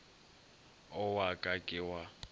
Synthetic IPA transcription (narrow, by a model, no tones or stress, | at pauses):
ɔwakʼakʼɪwa